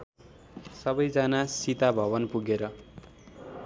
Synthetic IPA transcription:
sʌbʌjd͡zanasit̪abʱʌbʌnpuɡeɾʌ

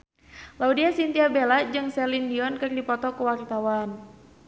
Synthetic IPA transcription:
laudiasint̪iabelad͡ʒɨŋsɛlindiɔnkɨrdipɔt̪ɔkuwart̪awan

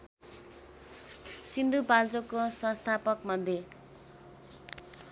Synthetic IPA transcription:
sind̪upalt͡sokosʌ̃st̪ʰapʌkmʌd̪ʱje

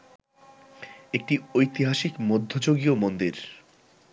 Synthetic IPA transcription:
ek̚ʈiojt̪iɦaʃikmod̪ʱːod͡ʑoɡiomond̪iɾ

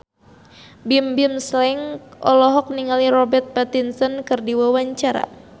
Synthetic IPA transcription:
bimbimslɛŋɔ̰lɔɦɔk̚niŋaliɾɔbɛrt̪̚pat̪insɔnkɨrdiwawaɲt͡ʃaɾa̰

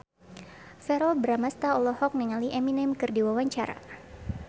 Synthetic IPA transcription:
fɛɾɔbəɾamast̪aɔlɔhɔk̚niŋaliʔɛminɛmkɨrdiwawaɲt͡ʃaɾa̰

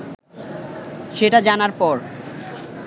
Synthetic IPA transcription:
ʃeʈad͡ʑanaɾpɔɾ

